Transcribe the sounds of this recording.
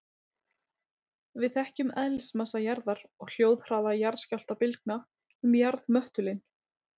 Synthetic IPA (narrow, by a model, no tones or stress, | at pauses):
vɪðθɛhcʏmɛðlɪsmasajaɾðaɾɔɣl̥jowðr̥aːðajaɾscawl̥t̪apɪlk̚na | ʏmjaɾðmœht̪ʏlɪn